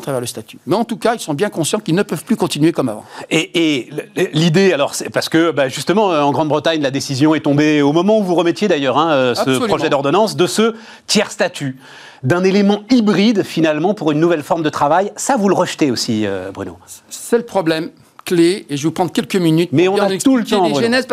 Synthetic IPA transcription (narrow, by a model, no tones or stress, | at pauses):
t̪χavɛʁləst̪at̪y̥mɛɑ̃t̪ukailsɔ̃bjɛ̃kɔ̃sjɑ̃kilnəpœv̥plykɔ̃t̪inɥekɔma̰vɑ̰̃eːlid̪ealɔʁsɛpaʁsə̥kəbaʒyst̪əmɑ̃øɑ̃ɡʁɑ̃d̪bʁət̪aɲlad̪esizjɔ̃ɛt̪ɔ̃beomɔmɑ̃uvuʁəmɛt̪jed̪ajœʁɛ̃øasəsɔlχɔʒɛd̪ɔʁd̪ɔnɑ̃sd̪əsə | t̪jɛʁst̪at̪y | d̪ɛ̃nelemɑ̃ibʁid̪finalmɑ̃puʁynːuvɛlfɔʁmd̪ət̪χavajsavuləʁəʃt̪eosiø̰bʁy̰no̰sɛləpχɔblɛm | kleːʒəvupχɑ̃d̪ʁkʲɛlkəminyt̪̚mɛɔ̃ñt̪ult̪ɑ̃ʁʒenɛzp